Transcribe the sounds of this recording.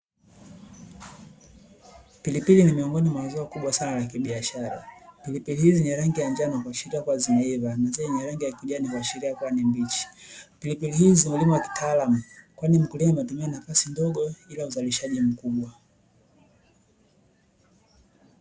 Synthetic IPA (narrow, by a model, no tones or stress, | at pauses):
pilipilinimiɔŋɡɔnimwawazɔakuɓwasanalakiɓiaʃaɾa̰pilipilihiziɲɛɾaŋɡijaɲd͡ʒanakwaʃiɾiakwazimɛivanazaɲɛɾaŋɡijakiuʄanikwaʃiɾiakwanimbit͡ʃi̥pilipilihizimulimuwaki̥taːlamukwanim̩kulimaimɛtumianafasindɔɠɔilauzaliʃaʄim̩kuɓwa